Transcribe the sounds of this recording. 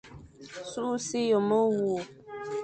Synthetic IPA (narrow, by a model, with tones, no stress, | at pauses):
su˦si˦jo˨mə˦wu˨